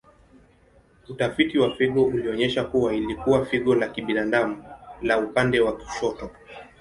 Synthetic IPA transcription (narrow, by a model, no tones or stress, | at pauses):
utafitiwafiɠɔuliɔɲɛʃakuwailikuwafiɠɔlakiɓinadamulaupandɛwaki̥ʃɔtɔ